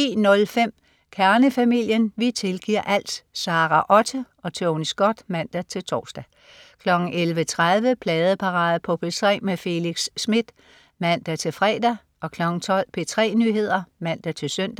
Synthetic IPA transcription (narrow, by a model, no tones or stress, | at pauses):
ḭːnɔ̽lfem̰ | kʰæɐnəfæmil̰jənʋit͡sʰe̝lɡ̥iɐ̰ʔæl̰d̥sɑ̈ːʁɑʔɒ̽t͡sʰə | ɒ̽t͡sʰeonisɡ̥ɒd̥mæn̰d̥æt͡sʰe̝lt͡sʰɒ̰ːsd̥æ | kʰlɒ̽ɡ̥n̩ʔelʋət͡sʰʁaðˠʋəpʰlɛːð̞ˠəpʰɑ̈ʁɑ̈ːð̩ˠpʰɒ̽pʰesʰʁɛ̰ːmefe̝liɡ̥sːmid̥ | mæn̰d̥æt͡sʰe̝lfʁɛːd̥æ | ʔɒ̽kʰlɒ̽ɡ̥n̩t͡sʰɒ̽l̰pʰe̝t͡sʰʁɛ̰ːnyːɦe̝ð̞̰ˠɐmæn̰d̥æt͡sʰe̝lsøn̰d̥